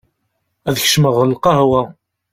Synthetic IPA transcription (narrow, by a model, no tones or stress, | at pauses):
æðəç̥ʃməʁəlqɑhwæ